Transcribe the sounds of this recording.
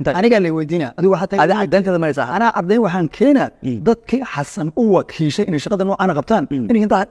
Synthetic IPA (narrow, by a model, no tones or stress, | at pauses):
ɐnɪɣaːlɛwɛjd̪iːnaʔɐðɪɣɦat̪ʰɐad̪ɛːnt̪ɛːðɐmɐɛsɐ̰ha̰ɐnaːʔɐɾd̪ɛjnwɑħaːŋkʰɛːnad̪ɐd̪kʰiħɑsɐnʊwɑkʰiːʃɛjʔɪnɛʃɐqɑðɐnɔːʔaːnɐqɑb̚t̪ʰaːnɪnɛhɪnt̪ʰaː